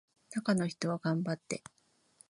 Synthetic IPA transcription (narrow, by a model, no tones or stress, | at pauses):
t̪akano̞çi̥t̪o̞βaɡãmbat̪ːe̞